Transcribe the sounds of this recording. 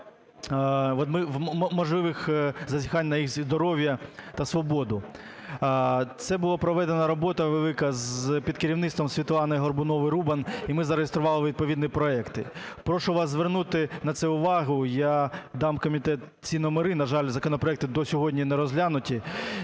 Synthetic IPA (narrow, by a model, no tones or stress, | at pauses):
ɔt̪mɪʋmɔʒlˠɪʋɪxzɐzʲixɑnʲnɐjixzd̪ɔɾɔʋʲjɐt̪ɐsʋɔbɔd̪ʊ | t̪sɛbʊlˠapɾɔʋɛd̪enɐɾɔbɔt̪ɐʋelˠɪkɐzpʲid̪̚kɪɾʲiwnɪtst̪ʋɔmsʲʋʲit̪lˠɑnɐjɦɔrbʊnɔʋɪɾubɐnimɪzɐɾejest̪ɾʊʋɑlˠɪʋʲid̪̚pɔʋʲid̪nipɾɔɛkt̪ɪ̰pɾɔʃʊʋɑszʋernut̪ɪnɐt̪sɛʊʋɑɦʊjad̪ɑmkɔmʲit̪ɛt̪ | t͡sʲinɔmeɾɪnɐʒɑlʲzɐkɔnɔpɾɔɛkt̪ɪd̪ɔsʲɔɦɔdʲnʲinɛɾɔzʲlʲanʊtʲi